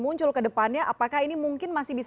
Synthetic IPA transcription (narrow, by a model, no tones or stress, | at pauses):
muɲt͡ʃʊlkədəpanɲaʔapakaɦinimuŋkɪnmasɪhbis